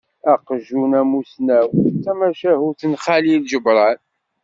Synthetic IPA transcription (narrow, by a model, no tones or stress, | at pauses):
æqəʒunæmusnæwt͡sːæmæʃæhuθənχalilʒəbɾˤɑn